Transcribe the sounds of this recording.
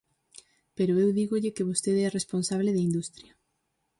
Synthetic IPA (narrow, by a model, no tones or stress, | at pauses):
peɾoewðiɣoʎɪkeβost̪eðɛresponsaβ̞leðeind̪ust̪ɾjɐ